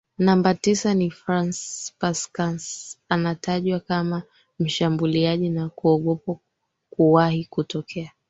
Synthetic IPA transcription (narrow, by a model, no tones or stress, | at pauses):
nambatisanifɾanspaskansanataʄwakama | m̩ʃambuliaʄinakuɔɠɔpa | kuwahikutɔkʰɛa